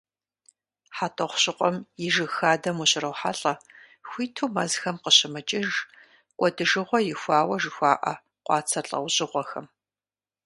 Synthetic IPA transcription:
ħatʰʼɐχʷɕʼɪqʷʼɔmjɪʒɨxaːdɐmuɕɪrɐwħaɬʼɐ | xʷiːtʰuːmɐzxɐmqəɕɪmɨt͡ʃʼɪʒ | kʷʼɔdɨʒɨʁʷɔjɪxʷaːwɐʒɨxʷaːʔɐ̰ | qʷɑːt͡sʰɐɬʼɐ̰wɕʼɪʁʷɔxɐm

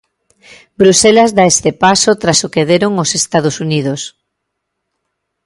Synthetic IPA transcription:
bɾuselazðaest̪epasot̪ɾasokeðeɾoŋosest̪að̞osunið̞os

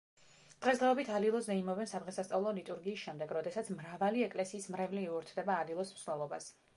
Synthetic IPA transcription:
d̪̥ʁɛs̬d̪ʁɛɔbit̪ʰalilˠɔsd̪ɛimɔvɛnsad̪ʁɛsast̪sʼavlˠɔlit̪ʼuɾɡiːsʃɛmd̪ɛɡɾɔd̪ɛsat̪sʰmɾavaliɛkʼlɛsiːsmɾɛvliːuɾt̪ʰd̪ɛbaːlilˠɔsmsnɛlˠɔbas

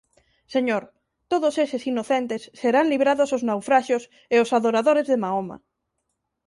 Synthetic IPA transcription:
seɲoɾ | t̪oð̞osesesinoθent̪esːeɾaŋliβɾaðosoznawfɾaʃos | eosaðoɾaðoɾezðemaoma̰

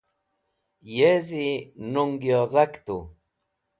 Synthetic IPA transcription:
jezinʊŋɡjoðakt̪u

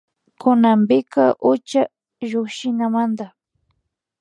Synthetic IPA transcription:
kʊnampɪkaʔʊt͡ʃa | ʒʊkʃɪnamand̪a

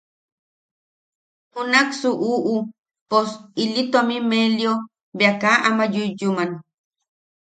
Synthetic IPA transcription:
hunaksuʔuːʔu | posilit̪omimeljo | beakaʔamajujuman

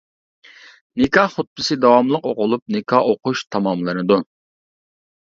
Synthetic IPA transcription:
nɪkɑχʊt̪̚pɨsɨd̪ɑwɑmlˠəqoqʊlˠup̚nɪkʰɑʔoqʊʃt̪ʰɑmɑmlˠɨnɨd̪u

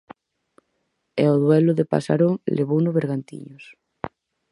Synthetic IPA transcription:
ɛoðwɛlʊðepa̰sa̰ɾoŋlʔeβunʊβeɾɣant̪ḭɲʊs

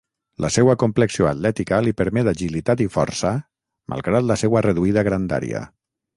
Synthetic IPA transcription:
lʔəsɛwakompleksioat̪lɛt̪ikalipəɾmɛd̪aʒilit̪at̪ifɔ̰ɾsə | mʔa̰lˠɣɾat̪ləsɛwəreðuið̞aɣɾand̪a̰ɾḭa̰

